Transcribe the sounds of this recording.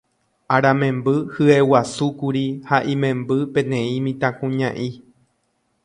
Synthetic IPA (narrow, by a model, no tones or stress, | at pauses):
aɾãmẽ̞mbɨhɨewasukuɾihaʔĩmẽ̞mbɨpẽ̞nẽ̞ĩmĩt̪ãkũɲã̰ʔi